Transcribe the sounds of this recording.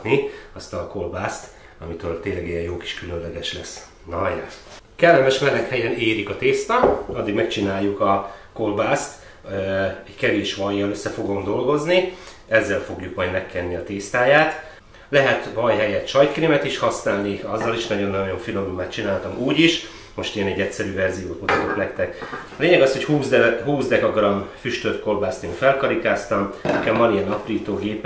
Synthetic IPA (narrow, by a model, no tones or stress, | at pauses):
niɒst̪ɒkolbaːst̪ | ɒmit̪øːrt̪eːnlɛɡijɛjoːki̥ʃkylø̞nlɛɡɛʃlɛs | nɒja̰ | kɛlːɛmɛʃmɛlːɛkhɛjɛneːɾikɒt̪eːst̪ɒɒd̪ːiɡmɛkt͡ʃinaːjːukɒko̞lbaːst̪ | ɛɟkɛveːʃʋɒjɒnøsːɛfo̞ɡo̞md̪o̞lɡo̞zni | ɛzːɛlfo̞ɡjukmɒjd̪mɛkːɛnːiɒt̪eːst̪aːjaːt̪ | lɛɦɛt̪vɒjɦɛjɛt̪ʃɒjt̪kriːmɛt̪iʃhɒsnaːlniɒzːɒliʃnɒɟo̞nːɒjo̞ɱfilo̞mumːaːt̪t͡ʃinaːlt̪ɒmuːɟiʃ | mo̞ʃt̪eːnɛɟːɛcsɛɾyːvɛrzijoːt̪mut̪ɒt̪ok̪nɛkt̪ɛkɒleːɲɛɡɒsho̞chuːzd̪ɦuːzd̪ɛkɒɡrɒmfyʃt̪øt̪ko̞lbaːst̪eːnfɛlkɒɾikaːst̪ɒmɛkɛmːɒliɛnɒpriːt̪oːɡeːp